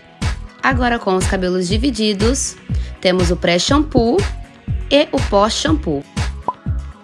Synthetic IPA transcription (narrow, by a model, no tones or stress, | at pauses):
aɡɔɾɐkõw̃ʊskabelʊzd͡ʒivid͡ʒid̪ʊst̪ẽmʊzʊpɾɛʃɐ̃mpu | eʔʊpɔsʃɐ̃mpu